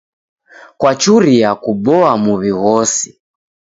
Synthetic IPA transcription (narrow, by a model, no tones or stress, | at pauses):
kwat͡ʃuɾiakuɓɔamuβiɣɔsi̥